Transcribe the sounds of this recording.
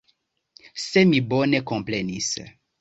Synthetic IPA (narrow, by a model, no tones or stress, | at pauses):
semibɔnekõmplenis